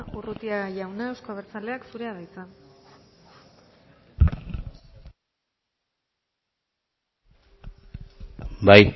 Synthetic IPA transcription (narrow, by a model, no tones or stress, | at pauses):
ʔurut̪iajawnae̞wskaβeɾt͡sale̞aksuɾe̞aðajt͡san | baj